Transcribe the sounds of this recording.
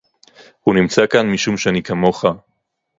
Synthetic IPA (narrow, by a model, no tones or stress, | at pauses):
hunimt͡sakanmiʃumʃeanikamo̞χa